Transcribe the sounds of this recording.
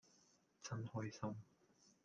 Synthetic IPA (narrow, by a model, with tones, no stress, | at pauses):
t͡sʰɐ˥nhɔː˥jsɐ˥m